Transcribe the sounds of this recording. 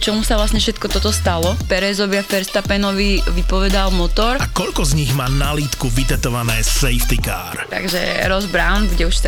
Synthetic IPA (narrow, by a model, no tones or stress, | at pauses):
t͡ʃɔmusaʋlasɲɛfʃɛt̪kɔt̪ɔt̪ɔst̪alɔpɛɾɛːzɔʋɪafɛɾst̪apɛnɔʋiʋipɔʋɛd̪almɔt̪ɔɾakɔʎkɔzɲiɣmaːnaliːt̪kuʋit̪ɛt̪ɔʋanɛːsɛjft̪ika̰ːɾt̪a̰ɡʒɛ̰ɾɔzbɾaʊnbuɟɛuʃ